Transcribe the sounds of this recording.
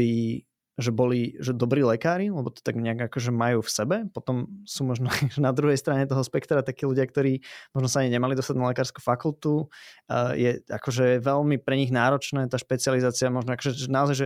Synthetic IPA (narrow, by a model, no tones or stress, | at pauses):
iː | ʒɛbɔliʒɛd̪ɔbɾiːlɛkaːɾilɛbɔt̪ɔ̥t̪aɡɲɛaɡakɔʒɛmajuːfsɛbɛpɔt̪ɔmsuːmɔʒnɔʒɛnad̪ɾuɦɛjst̪ɾaɲɛt̪ɔɦɔspɛkt̪ɾat̪akiːluɟɪakt̪ɔɾiːmɔʒnɔsaaɲiɲɛmalid̪ɔst̪aɟnalɛkaːɾsku̥fakult̪u | jɛa̰kɔʒɛjɛʋɛlmipɾɛɲiɣnaːɾɔt͡ʃnɛːt̪aːʃpɛt͡sializaːt͡siamɔʒnɔakɔʒɛɛnaɔzajʒɛ